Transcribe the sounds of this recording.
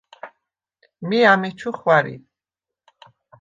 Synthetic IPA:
miamit͡ʃʰuχwaɾḭ

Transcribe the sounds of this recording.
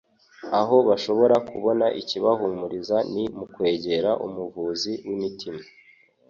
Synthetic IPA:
aɦo̞βaʃo̞βo̞ɾakʰuβo̞naʔiciβaɦumuɾizanimukwe̞ːɟe̞ɾaʔumuvuːziwimitʰima

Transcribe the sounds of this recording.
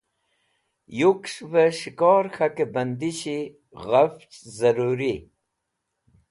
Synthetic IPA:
jukʂvəɕikɔːɾxakebɐnd̪iɕi | ɣaft͡ʃzəɾuɾi

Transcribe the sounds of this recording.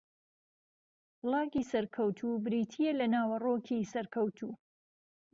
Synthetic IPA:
lˠɑːɡiːsɐɾkʰɐwt̪ʰubɾiːt̪ʰijelɐnaːwɐroːkʰisɐɾkʰɐwt̪ʰuː

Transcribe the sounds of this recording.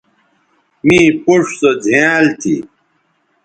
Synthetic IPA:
mĩːpuʂsɐd͡ʑʱeːlt̪ʰḭ

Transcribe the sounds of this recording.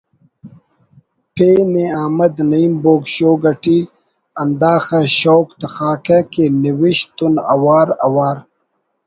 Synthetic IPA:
pʰeːneaːmɐd̪nɐiːmboːɡɕoːɡɐʈi | ɐnd̪aːxɐɕowkt̪ɐxaːkɐkeniwiɕt̪unɐ̰waːɾɐ̰waːɾ

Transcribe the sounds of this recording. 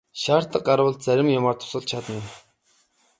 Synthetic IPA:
ʃaːr̥t̪ə̆q̚ɢaɾwə̆ɮt̪̚t͡sæɾʲɪ̆mjamaːrt̪ʰʊ̥sə̆ɮt̪t͡ɕʰat̪ə̆n

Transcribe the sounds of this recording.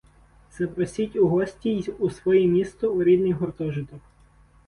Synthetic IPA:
t̪sɛpɾɔsʲitʲʊɦɔsʲtʲiusʋɔjɛmʲist̪ɔʊɾʲid̪nɪjɦɔrt̪ɔʒɪt̪ɔk

